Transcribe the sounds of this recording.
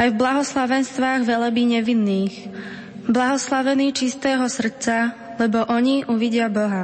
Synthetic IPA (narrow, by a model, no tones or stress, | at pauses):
ajvblaɦɔslaʋɛnst̪ʋaːɣʋɛlabiɲɛʋinːiːx | blaɦɔslaʋɛniːt͡ʃist̪ɛːɦɔsr̩t͡sa | lɛbɔʔɔɲiʔuʋiɟɪabɔɦa